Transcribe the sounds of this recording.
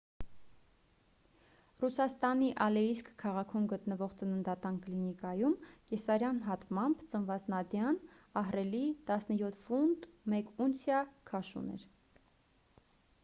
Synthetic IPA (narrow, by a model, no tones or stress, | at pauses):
rusɑst̪ɑniʔɑlɛiskkʰːɑʁɑkʰumɡət̪nəvɔʁt͡sənənd̪ɑt̪ɑnklinikɑjumkɛsɑɾjɑnɦɑt̪mɑmbt͡sənvɑt͡snɑd̪jɑn | ɑɦrɛlit̪ɑsnəjɔt̪ʰfund̪mɛkunsjɑkʰɑʃṵnɛ̰ɾ